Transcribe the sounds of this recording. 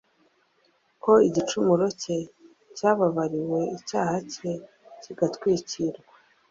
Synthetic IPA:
kʰo̞iɟit͡ʃumuɾo̞ce̞ | caːβaβaɾiwe̞icaːhace | ciɡatkwiːciɾɡa

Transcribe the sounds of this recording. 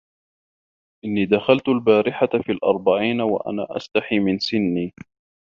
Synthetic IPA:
ʔɪnːiːd̪axalt̪albaːɾɪħafiːlʔɑ̰ɾˤbaʕiːnawa̰ʔa̰na̰ːʔa̰st̪aħiːmɪnsɪnːiː

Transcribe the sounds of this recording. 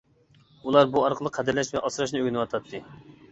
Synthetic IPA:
ulˠɑɾbuɑɾqʰəlˠəqʰːɛd̪ɪɾlɛʃvɛʔɑsɨɾɑʃ̬nɨøɡʲnɨwɑt̪ʰɑt̪ʰːɨ

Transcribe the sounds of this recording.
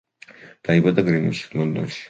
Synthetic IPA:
d̪̥aibad̪aɡɾimḭʃi̥k̪nɔnd̪ɔ̰nʃi̥

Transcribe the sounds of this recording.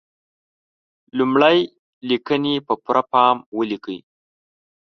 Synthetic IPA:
lumɽaj | likənepəpuɾʔapɑmwəlikəj

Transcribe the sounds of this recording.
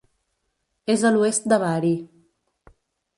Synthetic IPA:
ezaluest̪̚d̪aβaɾi

